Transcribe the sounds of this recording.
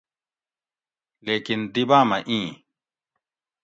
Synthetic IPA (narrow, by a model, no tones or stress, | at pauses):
leːkind̪ibãːmɐʔĩː